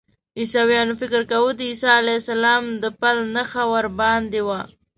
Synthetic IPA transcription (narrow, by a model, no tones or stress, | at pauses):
isawjɑnofɪkəɾkawud̪əisɑalasalɑmd̪əpalnəxawaɾbɑnd̪ewa